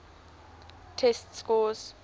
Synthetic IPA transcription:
tʰɛstskɔs

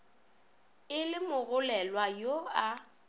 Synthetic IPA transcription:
ɪlɪmʊɣʊlɛlwajoa

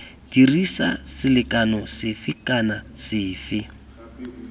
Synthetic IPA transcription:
dirisasɪlɪkanɔsɪfɪkanasɪːfɪ

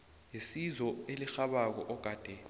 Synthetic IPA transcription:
jesizɔelixaɓak̬ɔʔɔɡ̥ʱaːd̥ʱɛ

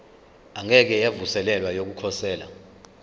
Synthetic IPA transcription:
aŋɛk̬ɛjavusɛlɛlwajok̬ukʰɔsɛːla̰

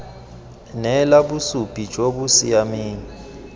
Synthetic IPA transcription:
nɛlabusupʼid͡ʒʼobuʊsijamiːŋi

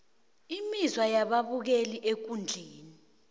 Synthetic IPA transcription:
imizwajaɓaβuk̬eliʔek̬und͡ɮʱeːni

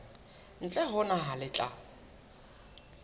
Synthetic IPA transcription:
n̩t͡ɬʼɛɦʊnaɦalɪt͡ɬʼa

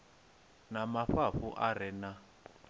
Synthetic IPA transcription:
namaɸaɸuʔaɾɛna

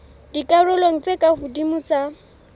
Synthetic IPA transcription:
d̥ikʼarʊloŋ̩t͡sʼekʼahudimʊt͡sa

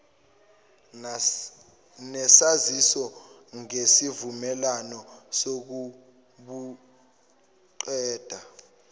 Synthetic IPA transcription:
nɛsazisɔ | ŋesivumɛlanɔsok̬u | ɓu | ǃɛːd̥ʱa

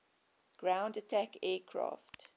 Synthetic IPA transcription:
ɡ̥ɹãʊ̃ndətʰækɛːkʰɹɑ̰ːft

